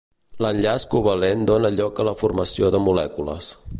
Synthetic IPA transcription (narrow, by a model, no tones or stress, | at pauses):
lənʎaskuβəlend̪onəʎɔkələfurməsioðəmulɛkulə̰s